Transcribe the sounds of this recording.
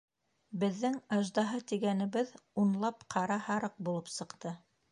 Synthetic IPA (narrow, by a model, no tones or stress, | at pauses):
bɘ̆ðːɘŋɑʒd̪ɑɦɤt̪iɡænɘ̆βɘðunlˠɑpqʰɑɾɑhɑɾɤq̚bulˠɤpsɤ̆qt̪ɤ